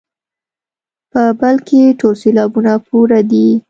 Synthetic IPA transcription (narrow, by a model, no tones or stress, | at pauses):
pəbalkeʈolselɑbunapuɾad̪i